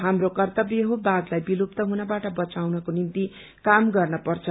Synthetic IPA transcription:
ɦamrokʌrt̪ʌbjʌɦobaɡlajbilupt̪ʌɦunʌbaʈʌbʌt͡sawnʌkonint̪i | kamɡʌrnʌpʌrt͡sʰʌ

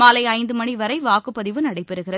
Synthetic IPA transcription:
maːlɐɪɐɪnd̪ɯmɐɳiʋɐɾɐɪʋaːkɯpːɐðɪʋɯnɐɽɐɪpːɛɾɯɣɪɾɐ

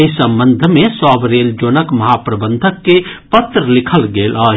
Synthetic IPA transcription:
isə̃mbənd̪ʱmesɔːbɾeːld͡ʒoːnəkməɦapɾəbənd̪ʱəkːepət̪ɾəlikʰəlɡeːləɦ

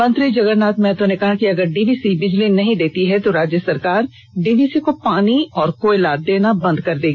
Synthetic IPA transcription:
mɐ̃nt̪ɾid͡ʒɐɡəɾnaːt̪mɛ̃ːt̪õnekɐɦakiɐɡəɾɖiːbiːsibɪd͡ʒlinɐɦĩd̪eːt̪iɦɛt̪oɾaːd͡ʒjəsɐɾkaːɾ | ɖiːbiːsikopaːniɔːɾkoɪlaːd̪̚d̪eːnabɐ̃nd̪kɐɾd̪eːɡi

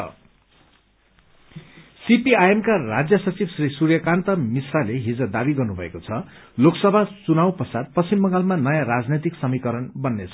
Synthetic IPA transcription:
ʌ̰ | sipiajemkara̰d͡zjʌsʌt͡sibsrisurjʌkant̪ʌmisraleɦid͡zʌd̪abiɡʌrnubʱʌ̰ḛkot͡sʰʌloksʌbʱat͡sunaw̃pʌsad̪̚pʌsimbʌŋɡalmanʌjãɾad͡znʌt̪iksʌmikʌɾʌnbʌnːet͡sʰ

